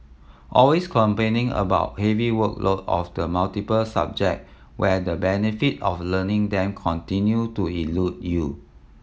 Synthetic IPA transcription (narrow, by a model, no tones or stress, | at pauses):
ʔɔlweskʰɔ̃mpẽnɪ̃ŋə̰baʊt̚hɛviwəklotɔ̰fdəmaltipəlsa̰b̚d͡ʒɛ̰k̚ | wɛdəbɛnifitɔflənɪ̃ŋdɛ̃mkʰɔ̃ntĩnjutuilut̚ju